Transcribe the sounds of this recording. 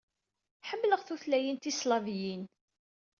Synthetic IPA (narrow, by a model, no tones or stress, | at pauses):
ħəmːləʁθuθlæjint̪islɑvjin